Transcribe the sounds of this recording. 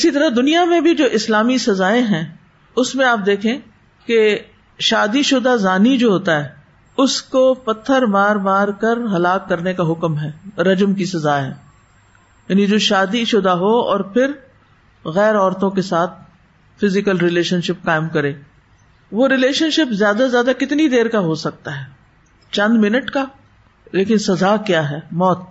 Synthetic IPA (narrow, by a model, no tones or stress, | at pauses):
ɪsit̪ɐɾəd̪ʊnijamẽbʱid͡ʒoːʔɪslaːmisɐzaːẽɦɛ̃ː | ʊsmẽaːp̚d̪eːkʰẽː | ke | ʃaːd̪iʃʊd̪azaːnid͡ʒoːɦoːt̪aɦɛː | ʊskopɐt̪ʰːəɾmaːɾmaːɾkɐɾɦɐlaːkːɐɾnekaɦʊkmɦɛːɾɐd͡ʒəmkisɐzaːɦɛː | jaːnid͡ʒoːʃaːd̪iʃʊd̪aɦoɔ̰ːɾpʰɪɾ | ɣɛːɾɔːɾt̪õkesaːt̪̚ʰ | fɪzɪkəlɾɪleːʃənʃɪp̚kaːɪmkɐɾẽː | ʋoːɾɪleːʃənʃɪpzjaːd̪azjaːd̪akɪt̪nid̪eːɾkaɦosɐk̚t̪aɦɛː | t͡ʃɐ̃nd̪mɪnəʈka | leːkɪnsɐzaːkjaːɦɛːmɔːt̪̚